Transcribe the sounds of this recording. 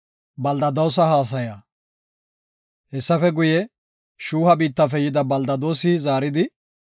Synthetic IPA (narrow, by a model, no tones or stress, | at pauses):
bɐld̪ɐd̪ɐws̬ɐɦaːs̬ɐjɐ | hɛsːɐfɛɡʊjɛ | ʃuːhɐbiːt̪ːɐfɛjɪd̪ɐbɐld̪ɐd̪o̞ːsɪzaːɾɪd̪ɪ